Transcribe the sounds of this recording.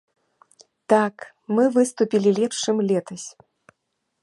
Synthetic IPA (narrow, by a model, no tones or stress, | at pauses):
t̪ak | mɨvɨst̪upʲilʲilʲɛpʂɨmlʲɛt̪ɐsʲ